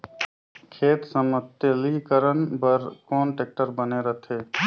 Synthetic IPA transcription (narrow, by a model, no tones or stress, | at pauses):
kʰeːt̪səmət̪əlikəɾənpəɾkɔːnʈeːk̚ʈəɾbəneɾət̪ʰeː